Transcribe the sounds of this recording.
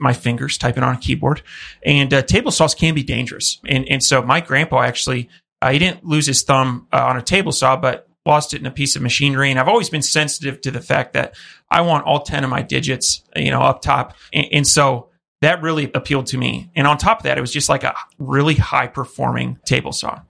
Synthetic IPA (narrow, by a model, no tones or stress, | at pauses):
maɪfɪ̃ŋɡə˞z̥tʰaɪpɨ̃ŋə̰̃nɨkʰibɔ̰ɹɾʔɨ̃ntʰeɪbl̩ˠsɔskʰɨ̃nbidẽɪ̃nd͡ʒə̰˞ɨ̰sʔɨ̃nɨ̃nsoʊmaɪɡɹæ̃npɔæk̚t͡ʃʉl̩ˠi | ʔiɾɪdⁿn̩lʉz̥ɨz̥θʌ̃mə̃nɨtʰeɪbl̩ˠsɔb̥ʌt̚ | lɔstɨɾɨ̃nɨpʰisʌvmɨʃĩnə˞iɨ̃ñaɪvɔlˠwizbɨ̃nsɛ̃nsɨɾɨv̥tʰɨðɨfæ̰k̚ðɨ̰ɾʔa̰ɪwɑ̃ntɔ̰lˠtʰɛ̃ñʌvmaɪdɪ̰d͡ʒɨtsjɨ̰ño̰ʊʌp̚tʰɑ̰pɨ̃ʔɨ̃nsoʊ | ðɨt̚ɹɪlˠiʔəpʰilˠd̚tʰɨmḭɨ̃ñə̃ntʰɑpʌvðɨ̰ɾɨt̚wʌzd͡ʒʌstlaɪkɨ̰ɹɪlˠiha̰ɪpʰə˞fɔ̰ɹmɪ̰̃ŋtʰeɪbl̩ˠsɔ̰